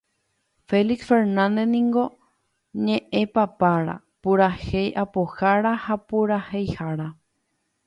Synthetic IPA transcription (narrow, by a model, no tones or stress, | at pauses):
feliksfeɾnãnd̪enĩŋɡo̞ | ɲẽ̞ʔẽ̞papaɾa̰ | puɾahejʔapoxaɾahapuɾahejhaɾa